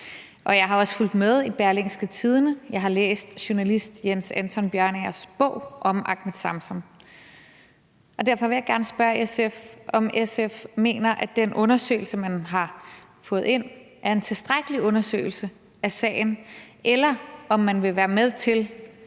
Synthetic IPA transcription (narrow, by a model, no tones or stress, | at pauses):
ʔɒ̽jɑ̈ɪɦɑ̈ɒ̽sful̰d̥með̞ˠib̥æɐlensɡ̥ət͡sʰið̞ˠnəjɑ̈ɪɦɑ̈lḛːsd̥ɕonælisd̥jensænt͡sʰɒ̽nb̥jɶɐneɐsb̥ɔ̰̽ʊ̰ʔɒ̽mʔɑ̈ɡ̥məd̥sɑ̈msɒ̽m | ʔɒ̽d̥æɐ̰fɒʋe̝jɑ̈ɪɡ̥æɐnəsb̥ɶɐesefɒ̽mesefme̝̰ːnɐʔæd̥enʔɔ̽nɐsø̰ːɪl̩səmænɦɑ̈ | fɔ̽ːð̩ˠe̝n̰ | ʔæɐe̝nt͡sʰe̝lsd̥ʁaɡ̥əliɔ̽nɐsø̰ɪl̩sə | æsɛ̰ːɪn̩ʔelɐʔɒ̽mːænʋe̝ʋæːɐmeð̞ˠt͡sʰe̝l